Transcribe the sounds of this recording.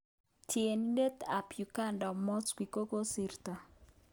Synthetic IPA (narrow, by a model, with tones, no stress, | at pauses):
tje˨ni˦de˦t̪a˨pju˨ka˦ndɔ˨mɔ˦skwi˨ko˦ko˦si˦rt̪a˨